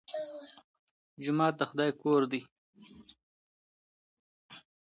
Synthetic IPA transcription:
d͡ʒʊmɑːt̪̚d̪əxʊd̪ɑjkoɾd̪i

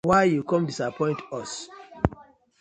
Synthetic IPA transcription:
waɪjukɔ̃mdisapʰɔ̃ɪ̃ntɔs

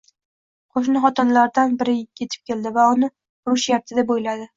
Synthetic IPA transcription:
qʰoʃ̬nɪχɒt̪ɒnlaɾd̪anbɪɾɪkʰʲːe̞t̪ʰɪ̥p̚kʲe̞ld̪ɪvaʊnɪ | ʊɾʊʃjap̚t̪ʰɪd̪apbojlad̪ɪ

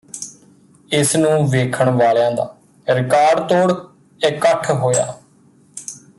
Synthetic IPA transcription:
ɪsnũːʋeːkʰəɳʋaːljãːd̪a̰ː | ɾɪkaːɾɖt̪oːɽ | ɪkːəʈʰɦoːja̰ː

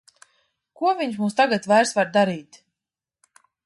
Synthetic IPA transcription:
kuɔvʲiɲʃmuːst̪aɡat̪vajɾsvaɾd̪aɾiːt̪

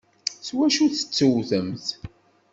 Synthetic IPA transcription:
swæʃuθə̥t͡sːəwθəmθ

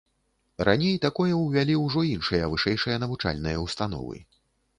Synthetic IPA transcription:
ɾʔa̰nʲejt̪akɔjɐwvʲalʲiwʐɔinʂɨjɐvɨʂɛjʂɨjɐnɐvut͡ʂa̰lʲnɨjɐwst̪an̪ɔ̰vɨ̰

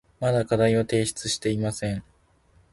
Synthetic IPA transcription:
mad̪akad̪aio̞t̪e̞ːɕi̥t͡sɨɕi̥t̪e̞imasẽ̞ɴ

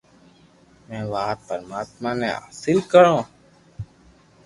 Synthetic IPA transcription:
mɛ̃ːʋaːt̪̚pəɾmaːt̪maːneːa̰ːsɪlkəɾõː

